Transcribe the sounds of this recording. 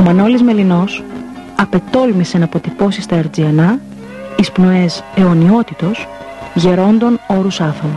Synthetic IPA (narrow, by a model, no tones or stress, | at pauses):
omɐno̞lizme̞lino̞s | ɐpe̞t̪o̞lmisenɐpo̞t̪ipo̞sist̪ɐeɾd͡ziɐnɐ | ispno̞e̞se̞o̞nio̞t̪it̪o̞s | ʝe̞ɾo̞nd̪o̞no̞ɾusɐθɾon